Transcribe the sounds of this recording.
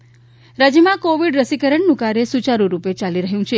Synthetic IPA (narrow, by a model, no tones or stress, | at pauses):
ɾad͡ʒjəmãkoʋiɖɾəsikəɾəɳnũkaɾjesut͡ʃaɾũɾupet͡ʃaliɾəɦjũt͡ʃʰe